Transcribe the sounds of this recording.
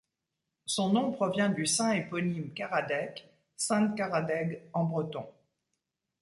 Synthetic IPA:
sɔ̃nɔ̃pχɔvjɛ̃d̪ysɛ̃epɔnimkaʁad̪ɛk | sɛ̃t̪kaʁad̪ɛɡɑ̃bʁət̪ɔ̰̃

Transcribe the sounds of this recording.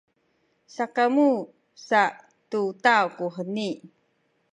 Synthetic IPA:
sakamu | saʔ | tut̪awkuɦəni

